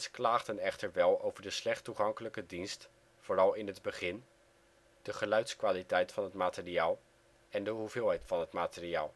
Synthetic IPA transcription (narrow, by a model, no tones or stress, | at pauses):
sklaːχdənɛχtəɹʋɛlˠowvəɹdəslɛχtuχɑŋkələkədinst | foːrɑlˠɪnɦədbəχɪn | d̥əχəlœɥtskʋaːlitɛjtfɑnɦətmaːtɪriaːlˠ | ɛndəɦuvɪːlˠɦɛjtfɑnɦətmaːtɪriaːlˠ